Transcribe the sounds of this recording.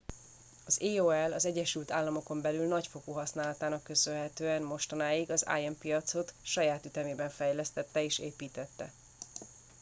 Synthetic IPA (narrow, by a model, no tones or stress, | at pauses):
ɒzeːoːɛlːɒzɛɟːɛʃylt̪aːlːɒmo̞ko̞mbɛlylnɒcfo̞koːɦɒsnaːlɒt̪aːnɒkːø̞sølɦɛt̪øːɛnmo̞ʃt̪ɒnaːjiɡɒza̰ːjɛmpijɒt̪so̞t̪ʃɒjaːt̪yt̪ɛmeːbɛɱfɛjlɛst̪ɛt̪ːɛeːʃeːpiːt̪ɛt̪ːɛ̰